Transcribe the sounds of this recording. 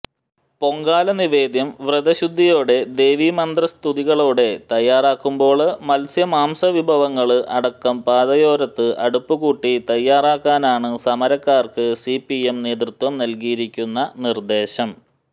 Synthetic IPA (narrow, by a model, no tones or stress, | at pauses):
po̞ŋɡaːlɐniʋe̞ːd̪jɐmʋrɨðɐɕud̪ʱːijo̞ːɽe̞d̪e̞ːʋimɐnd̪rɐst̪ʰuðiɣɐɭoːɽe̞t̪ɐjːaːraːkːumbo̞ːɭmɐlsjɐmaːmsɐʋibʱɐʋɐŋːɐɭɨʔɐɽɐkːɐmpaːd̪ɐjo̞ːɾɐt̪ːɨʔɐɽupːɨɣuːʈːit̪ɐjːaːraːkːaːnaːɳɨsɐmɐɾɐkːaːrkɨsipːiemne̞ːd̪rut̪wɐmnɐlkijiɾikʲːunːɐnird̪e̞ːɕɐm